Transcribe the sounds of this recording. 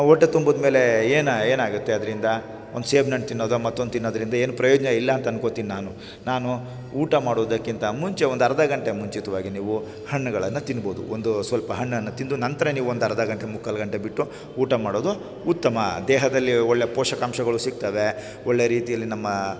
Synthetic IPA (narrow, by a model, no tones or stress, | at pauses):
ɔʈːet̪umboːd̪me̞ːle̞eːneːnaːɡut̪ːeɐd̪ɐɾind̪ɐ | ond̪useːbʱnɐɳʈ̚t̪inːoːd̪umɐt̪ːond̪t̪inːoːd̪ɐɾind̪ɐe̞ːnupɾɐjoːd͡ʒɐnɐilːɐːnt̪ɐːnkot̪iːninaːnu | naːnu | uːʈɐmaːɽoːd̪ɐkːint̪ɐmuɲt͡ʃe̞ond̪ɐɾɐd̪ɐɡɐɳʈe̞muɲt͡ʃit̪ɐʋaːɡiniːʋu | hɐɳːuɡɐɭɐnːɐt̪inːboːd̪ṵond̪usʋɐlpɐɦɐɳːɐnːɐt̪ind̪unɐnt̪ɐɾɐniːʋuond̪ɐɾɐd̪ɐɡɐɳʈemukʰːɐlɐɡɐɳʈe̞biʈːu | uːʈɐmaːɽoːd̪u | ut̪ːɐmɐd̪ɛːɦɐd̪ɐlːiɔɭːepɔːʂɐkaːmʃɐɡɐɭusiɡ̚t̪ɐʋe̞ | ɔɭːejɐɾiːt̪ijɐlːinɐmːɐ